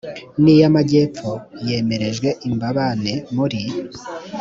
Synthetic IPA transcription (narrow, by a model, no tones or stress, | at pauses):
nijamaɟe̞p͡foje̞ːme̞ɾe̞ʒɡwe̞ʔimbaβane̞muɾi